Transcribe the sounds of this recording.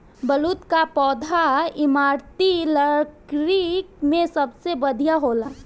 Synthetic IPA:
bəlut̪kapɔːd̪ʱaɪmaːɾt̪iləɾkɾik̚mẽsəbsebəd̪ʱijaɦoːla

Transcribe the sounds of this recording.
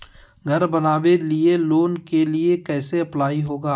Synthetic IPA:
ɡʱɐɾbɐnaːʋelieloːnkeliekɛːseɐplaːiɦoːɡaː

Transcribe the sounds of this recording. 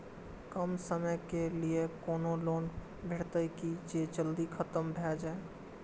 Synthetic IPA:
kəmsəməjkeliekoːnoloːn | bʱeɽt̪əkid͡ʒed͡ʒəld̪ikʰət̪əmbʱɛd͡ʒa

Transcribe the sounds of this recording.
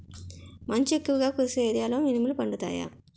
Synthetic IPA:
mɐɲt͡ʃuekːuʋɐɡaːkuɾseeːd̪ijaːlɐʋminimɐlpɐɳɖut̪a̰ːja̰ː

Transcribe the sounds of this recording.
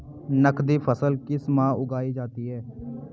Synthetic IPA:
nəkʰd̪iːpʰəsəlkɪsmãːʔʊɡaːiːd͡ʒaːt̪iːɦɛː

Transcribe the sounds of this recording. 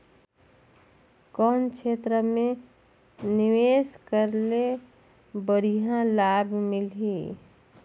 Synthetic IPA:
kɔnkt͡ʃʰet̪ɾəmẽ | niʋeskəɾle | bəɾiɦãlabʱmɪlɦi

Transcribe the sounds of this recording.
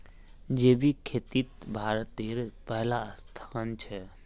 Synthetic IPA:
d͡ʒeːbikʰeːt̪it̪bʱaːɾət̪eːɾpəɦlaəst̪ʰə̥kənt͡ʃʰɛ

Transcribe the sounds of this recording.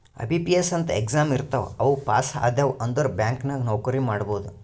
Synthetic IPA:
ɐ̰bʱipijesɐnt̪ɐekzaːmiɾt̪ɐʋɐʋupaːsa̰ːd̪jɐʋɐnd̪ɐɾbjaːŋknɐɡnɐwkɐɾimaːɽboːd̪u

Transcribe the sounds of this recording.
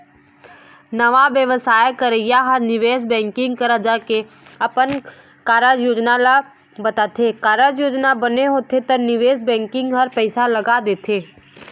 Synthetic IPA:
nɐʋaʋjəʋəsaːjkəɾəjaɦɐɾnɪʋeːsbɛ̃ːŋkɪ̃ŋɡkəɾad͡ʒaːke | ɐpən | kaːɾad͡ʒjoːd͡ʒnala | bɐt̪aːt̪ʰekaːɾad͡ʒjoːd͡ʒnabɐneɦoːt̪ʰet̪ɐɾnɪʋeːsbɛ̃ːŋkɪ̃ŋɡɦɐɾpɛɪsalɐɡad̪eːt̪ʰeː

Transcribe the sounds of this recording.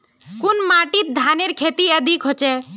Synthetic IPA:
kunmaʈit̪̚d̪ʱaneɾkʰet̪iəd̪ʱikɦɔt͡ʃɛ

